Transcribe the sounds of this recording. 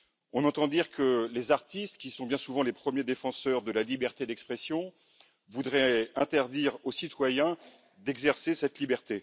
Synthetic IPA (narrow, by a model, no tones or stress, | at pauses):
ɔ̃nɑ̃t̪ɑ̃d̪iʁkəlezaʁt̪ist̪kʲisɔ̃bjɛ̃suvɑ̃lepχəmjed̪efɑ̃sœʁd̪əlalibɛʁt̪ed̪ɛkspχɛsjɔ̃ | vud̪ʁɛɛ̃t̪ɛʁd̪iʁosit̪wajɛ̃ | d̪ɛɡzɛʁsesɛt̪libɛʁt̪e